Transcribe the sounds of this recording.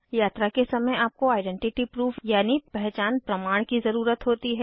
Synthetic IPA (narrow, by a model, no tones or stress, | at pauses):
jaːt̪ɾakesɐməjaːp̚koaːɪɖɛ̃ːɳʈɪʈipɾuːfʰjaːnipɛɦt͡ʃaːnpɾɐmaːɽ̃kizɐɾuːɾət̪ɦoːt̪iɦɛː